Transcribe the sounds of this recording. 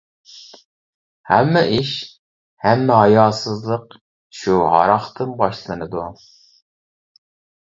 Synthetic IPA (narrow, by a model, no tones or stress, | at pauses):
hɛmːɛʔiʃ | hɛmːɪɦɑjɑːsɨzlˠəq | ʃuɦɑ̰ɾɑχt̪ʰɨmbɑʃlˠɨnɨd̪u